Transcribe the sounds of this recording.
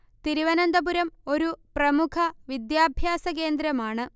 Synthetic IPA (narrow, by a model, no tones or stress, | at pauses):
t̪iɾiʋɐnɐnd̪ɐbuɾɐmo̞ɾuprɐmukʰɐʋid̪jaːbʱjaːsɐke̞ːnd̪ɾɐmaːɳɨ